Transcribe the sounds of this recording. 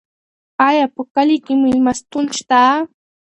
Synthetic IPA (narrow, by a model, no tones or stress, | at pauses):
ajapakalɪkɪmɪlmast̪ʊnt͡ʃt̪aː